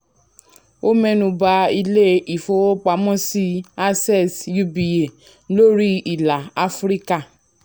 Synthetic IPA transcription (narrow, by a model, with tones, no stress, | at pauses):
o˦mɛ˦nũ˧ba˧i˧le˦i˨fo˧˦wo˦k͡pa˧mɔ̃˦si˦a˦˧sɛ˦˨sju˦˧bi˨je˨ | lo˦ɾi˦i˨la˨a˦fɾi˦ka˦˨